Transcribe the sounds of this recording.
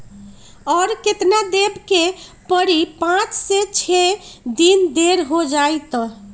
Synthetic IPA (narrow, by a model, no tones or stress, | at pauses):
ɔɾket̪nad̪ebke | pəɾipãt͡ʃset͡ʃʰed̪ind̪eɾɦod͡ʒajt̪ɔ